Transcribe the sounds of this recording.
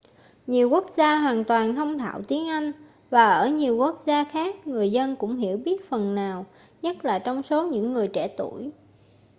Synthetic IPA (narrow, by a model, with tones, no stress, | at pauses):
ɲi˨˩əwku˦˥ək̚zaː˧ɦwaː˨˩nt̪waː˨˩nt̪ʰə˧wŋ͡mt̪ʰa̰ː˧˨wt̪i˨˦ənʔa˧jŋ̟ | vaː˨˩ʔəː˧˩ɲi˨˩əwku˦˥ək̚zaː˧xaː˦˥k̚ŋɨ˨˩əjzə˧nkʊ̰˧˥ŋ͡mɦḭ˧˥əwɓi˦˥ət̚fə˨˩nːaː˨˩w | ɲə˦˥t̚laː˨˩t͡ɕɔ˧wŋ͡mso˨˦ɲɨ̰˧˥ŋːɨ˨˩əjt͡ɕɛ̰˧˩t̪ṵ˧˩˨j